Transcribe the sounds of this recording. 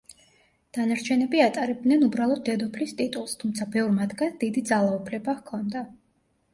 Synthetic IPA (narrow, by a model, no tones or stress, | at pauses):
d̪̥anaɾt͡ʃʰɛnɛbiat̪ʼaɾɛb̚d̪nɛnubɾalˠɔd̪̚d̪ːɛd̪ɔpʰlist̪ʼit̪ʼulˠst̪ʰumt̪sʰabɛvɾmat̪ʰɡand̪id̪id̪zalˠaupʰlɛbakʰɔnd̪a